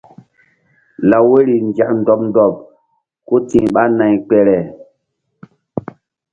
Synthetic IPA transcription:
la˨we˦ɾi˨nd͡ʒa˨kn˨dɔ˨pndɔ˨p̚ | ko˦tĩ˨ɓa˦na˨jk͡pɛ˨ɾɛ˨

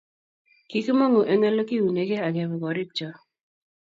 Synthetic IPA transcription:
ki˨kmɔ˦ŋo˨ʔe˨ŋe˦lo˦ki˦u˨ne˨ɡe˦a˨ɡɛ˨βɔ˨ɡɔ˨ɾɪ˦k̚t͡ʃɔ˨

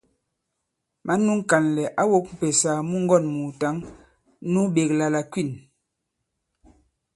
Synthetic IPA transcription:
ma˨˦nu˦ŋ˦ka˨nlɛ˨ʔa˦wo˦k̚m̩˨pɛ˨sa˨mu˦ŋ˦ɡɔ˦˨nmu˨ta˨˦ŋ | nu˦ɓe˨kla˨la˨kwi˦˨n

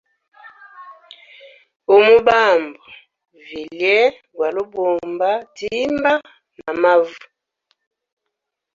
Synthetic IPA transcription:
o˨mu˦ba˦˨mbɔ˨ | vi˨ljɛ˦ | bwa˨lo˦bo˨mba˦ti˦mba˦ | na˨ma˦vu˨

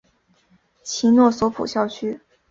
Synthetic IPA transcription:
t͡ɕʰi˧˥nwɔ˥˩swɔ˧˥pʰṵ˨˩ɕjɑ˥˧ʊt͡ɕʰy˥

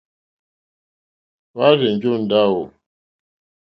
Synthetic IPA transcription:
wa˦ɾe˨n˨d͡ʒo˦n̩˨da˦˨wo˨

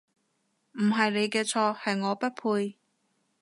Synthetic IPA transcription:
m̩˨˩ɦɐ˨jle˨˧jkɛː˧t͡sʰɔː˧hɐ˨jŋɔː˨˧pɐ˥t̚pʰuː˧j

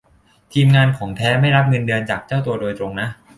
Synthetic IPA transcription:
t̪ʰiː˧mŋaː˧nkʰɔː˩˦ŋt̪ʰɛː˦˥ma˥˩jɾa˦˥p̚ŋɤ˧ndɯ˧ənt͡ɕaː˨˩k̚t͡ɕaː˥˩wt̪̬u˧ɐdoː˧jt̪ɾo˧ŋna˦˥ʔ

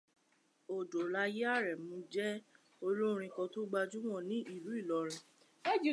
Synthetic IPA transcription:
o˨do˨la˧ji˦a˦˨ɾɛ˨mũ˧˦d͡ʒɛ˦ | o˧lu˦˧ɾ̃ĩ˧kɔ̃˧to˦ɡ͡ba˧d͡ʒu˦w̃ɔ̃˦˨nĩ˦ʔi˦˨ɾu˨˦i˦˨lɔ˨˧ɾ̃ɛ̃˧ | e˦d͡ʒi˨

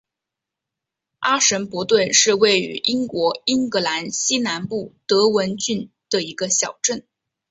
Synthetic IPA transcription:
ʔa˥ʂə˧˥npwɔ˧˥t̪wə˥˧nʂɻ̩˥˧we˥˩ɪy̰˧˥ʔi˥ŋkwɔ˧˥i˥ŋkɤ˧˥la˧˥nɕi˥na˧˥npu˥˩t̪ɤ˧˥wə˧˥nt͡ɕy˥˩n | d̪̥ə˩i˧˥ɡə˧ɕjɑ˨˩ʊʈ͡ʂə˥˩n

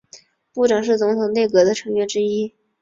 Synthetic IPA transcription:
pu˥˩ʈ͡ʂɑ˨˩ŋʂ̬ɻ̩˥˩t͡sʊ˧˥ŋt̪ʰʊ˨˩ŋne˥˩ɪkɤ˧˥d̪ə˧ʈ͡ʂʰɤ˧˥ŋɥɛ˧˥ʈ͡ʂɻ̩˥i˥

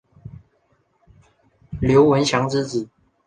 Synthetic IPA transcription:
ljo˧˦ʊwə˧˥nɕjɑ˧˥ŋt͡sɻ̩˥t͡sɹ̩˨˩˦

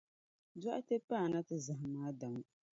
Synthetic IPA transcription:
dɔ˦ʔa˦te˦paː˦˨na˦tɨ˦za˨ɦɪ˨maː˦da˨ŋ˦

